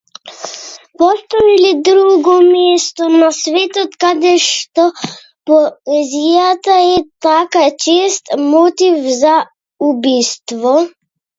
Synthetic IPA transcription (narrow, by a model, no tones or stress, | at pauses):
pɔst̪ɔilid̪ɾuɡɔmɛst̪ɔnasvɛt̪ɔt̪kad̪ɛʃt̪ɔ | pɔɛzijat̪aɛt̪akat͡ʃɛst̪mɔt̪ivza | ubist̪vɔ